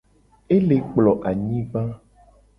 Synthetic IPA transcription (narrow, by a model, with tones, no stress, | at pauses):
e˦le˨k͡plɔ˨ʔa˨ɲĩ˦va˦